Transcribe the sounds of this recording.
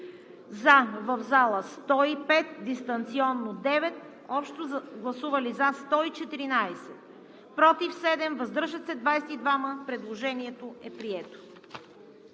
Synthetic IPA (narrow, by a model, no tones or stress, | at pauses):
zavəvzalˠəst̪ɔipɛt̪̚d̪ist̪ɐnt̪siɔnːod̪ɛvɛt̪ | ɔpʃt̪oɡlˠɐsuvɐlizast̪ɔit͡ʃɛt̪iɾinajsɛt̪ | pɾɔt̪ifsɛd̪ɛmvɐzd̪əɾʒət̪sɛd̪vajsɛt̪id̪vaməpɾɛd̪lˠoʒɛniɛt̪oɛpɾiɛt̪o̥